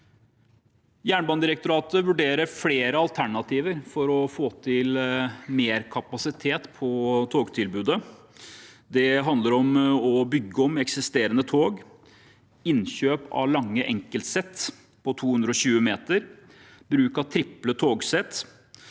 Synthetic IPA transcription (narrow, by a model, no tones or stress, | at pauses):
jæːɳbɑnd̪ɪɾɛkt̪ʊɾɑːt̪əʋʉɖeːɾəɾfleːɾəɑlt̪ʰæɳɑt̪ʰiːʋəɾfɔɾɔfoːt̪ʰɪlmeːɾkʰɑpɑsɪt̪ʰeːt̪pʰɔt̪ʰoːɡt̪ʰɪlbʉːd̪ə | d̪ɛɦɑnd̪əɾɔmɔbʏɡːəɔmɛksɪst̪eːɾənət̪ʰoːɡ | ɪnɕøːpɑ̰lɑŋːəʔɛŋkəlt̪sɛt̪ː | pʰɔt̪ʰuːhʉnd̪ɾəɔɕʉːəmeːt̪əɾ | bɾʉːkɑt̪ʰɾɪplət̪ʰoːɡsɛt̪